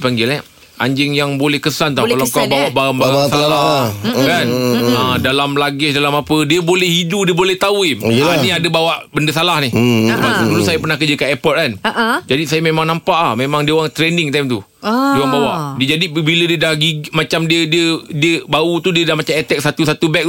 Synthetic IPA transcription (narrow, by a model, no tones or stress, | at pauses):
paŋɡɪlɛ | ʔa̰ɲd͡ʒɪŋjaŋbolɛhkəsant̪akalakawbawaʔbaaŋbaasalakanãdalamlaɡɪsdalamapədiəbolɛhiduʔdiəbolɛht̪auilaniadəbawaʔbəndəsalahnɪhəbadulʊsajapərnahkəd͡ʒəkanepɔt̪̚kanaʔd͡ʒadisajamemãŋnampaʔlahmemãŋdiəowaŋt̪ɾɛndɪŋt̪ajmt̪u | iəowaŋbawaʔdiəd͡ʒadibilədiədahɡiɡmat͡ʃamdiədiədiəbaut̪udiədamat͡ʃamɛt̪ɛk̚sat̪usat̪ubɛk̪̚